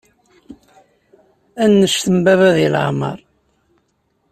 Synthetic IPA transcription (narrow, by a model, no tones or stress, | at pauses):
ænːəʃθəmbævæðilʕmɑ̰ɾˤ